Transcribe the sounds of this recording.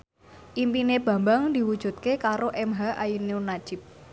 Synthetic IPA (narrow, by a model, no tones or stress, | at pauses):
ʔimpineb̥a̤mbaŋnd̪i̤wud̥ʒ̥ṳt̪̚kekaɾoʔɛmɦaʔajineunad̥ʒ̥ɪ̤p̚